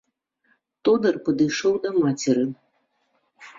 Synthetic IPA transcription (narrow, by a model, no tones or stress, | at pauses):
t̪ɔd̪ɐrpɐd̪ɨjʂɔwd̪ɐmat͡sʲɛɾɨ